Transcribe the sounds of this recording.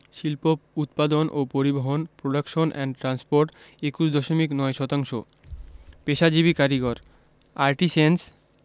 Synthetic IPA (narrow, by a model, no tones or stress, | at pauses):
ʃilpout̪pad̪onʔopoɾiboɦonpɾoɖakʃonʔɛnʈɾanspoɾʈ | ekuʃd̪ɔʃomiknɔeʃɔt̪aŋʃo | peʃad͡ʑibikaɾiɡoɾ | aɾʈisens